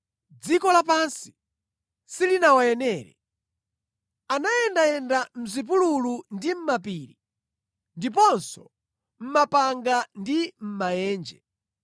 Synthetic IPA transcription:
d͡zikɔlapansi̥ | silinawajɛnɛːɾɛ̰ | anajɛndajɛndam̩zip̬ululundim̩mapiːɾi | ndip̬ɔnsɔ | m̩mapaŋɡandim̩majɛːnd͡ʒɛ

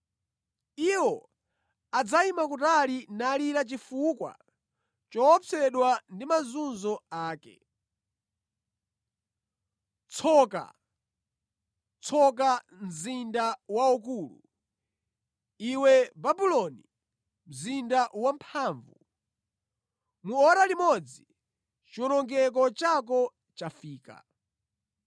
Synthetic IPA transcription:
iwɔ | ad͡zaimakutalinaliɾat͡ʃifukwa̰ | t͡ʃɔːt͡sʰɛɗwandimazunzɔaːkɛ̰ | t͡sʰɔka̰ | t͡sʰɔk̬a | m̩zindawauk̬uːlṵ | iwɛbabilɔni | m̩zindawampʰaːɱvu | muɔɾalimɔd͡zi | t͡ʃiɔnɔŋɡɛk̬ɔt͡ʃak̬ɔ | t͡ʃafiːka̰

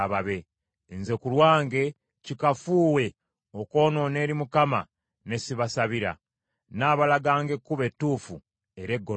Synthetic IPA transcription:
βaβe̞ | nze̞kulwaːŋɡe̞ | cikafuːwe̞ | oko̞ːno̞ːne̞ːɾimukama̰ | ne̞siβasaβiɾa̰ | naːβalaɡaːŋɡe̞kːuβe̞tːuːfu | e̞ɾe̞ɡːo

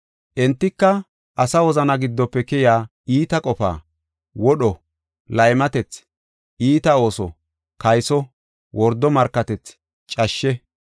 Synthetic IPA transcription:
ʔɛnt̪ːɪkːɐ | ʔɐsɐwɔzɐnɐɡɪd̪ːɔpːɛkɛjaː | iːt̪ɐkʼɔfa̰ː | wɔɗɔ | lɐjmɐt̪ɛt͡s | ʔiːt̪ɐo̞ːsɔ̰ | kɐjsɔ | wʔɔɾd̪ːɔmɐɾkːɐt̪ɛt͡s | t͡ʃʼɐʃːɛ

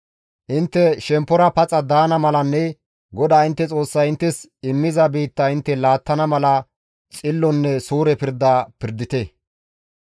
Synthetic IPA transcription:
ʔɪnt̪ːɛʃɛmpːɔɾɐpɐt͡sʼɐd̪aːnɐmɐlɐnːɛ | ɡɔd̪aːɪnt̪ːɛt͡sʼo̞ːsːɐjɪnt̪ːɛsɪmːɪzɐbiːt̪ːɐɪnt̪ːɛlaːt̪ːɐnɐmɐlɐ | t͡sʼɪlːɔnːɛsuːɾɛpɪɾd̪aːpɪɾd̪ɪt̪ɛ

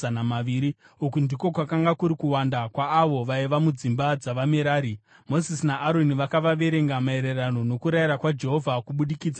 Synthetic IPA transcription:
anamaʋiːɾi | ukundiko̞kwakaŋɡakuɾikuwandakwaːʋo̞ʋaiʋamud͡zimbad͡zaʋameɾaːɾi | mo̞zisinaʔːɾoniʋakaʋaʋe̞ɾe̞ŋɡamae̞ɾe̞rano̞no̞kuɾaiɾakwad͡ʒe̞ɦo̞vʱakuɓuɗikiːd͡za

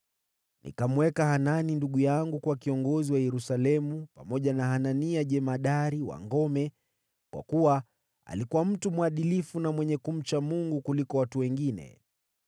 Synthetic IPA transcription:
nʔḭkamwɛkahananinduɠujaŋɡukwakiɔŋɡɔziwajɛɾusalɛmupamɔʄanaɦananiaʄɛmaɗaɾiwa̰ŋɡɔmɛ | kwa̰kuwa | a̰likuwam̩tumuaɗilifunamwɛɲɛkum̩t͡ʃamuŋɡukulikɔwatuwɛŋɡinɛ̰

